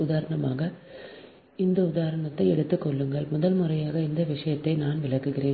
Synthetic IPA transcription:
ʊðaːɾɐɳɐmaːɣɐ | ɪnd̪ɐʊðaːɾɐɳɐt̪ːɐɪɛɽɯt̪ːɯkːɔɭːɯŋɡɐɭmʊðɐlmɯrɐjaːɣɐɪnd̪ɐʋɪʂɐjɐt̪ːɐɪnaːnʋɪɭɐkːɯɣɪreːn

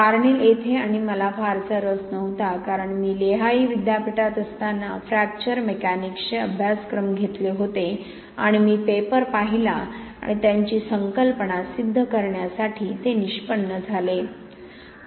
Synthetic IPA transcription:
kaɾɳilet̪ʰeaɽ̃iməlafaɾt͡səɾəsnəʋt̪akaɾəɳmiːleɦaiːʋid̪japiʈat̪əst̪anːafɾæk̚t͡ɕəɾmekanikɕeəbʱjaskɾəmɡʱet̪leɦot̪e | a̰ɽ̃imiːpepəɾpaɦilaa̰ɽ̃it̪jaɲt͡ɕiːsəŋkəlpəɳasid̪ʱːəkəɾɳjasaʈʰiːt̪eniɕpəɳːəd͡zʱale

